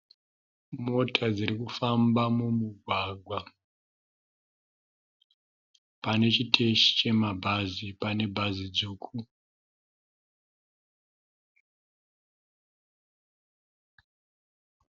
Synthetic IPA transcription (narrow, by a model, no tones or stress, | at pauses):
mo̞tʰad͡zirikufambamumuɡʱwaɡʱwa | pane̞t͡ʃitʰe̞ʃi̥t͡ʃe̞mabʱazipane̞bʱazid͡zuːkʰu